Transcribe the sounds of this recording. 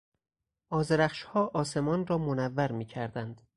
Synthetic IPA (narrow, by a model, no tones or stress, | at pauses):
ʔɒːzeɾæχʃhɒːʔɒːse̞mɒːnrɒːmonævːæɾmiːcʰæɾd̪ænd̪̥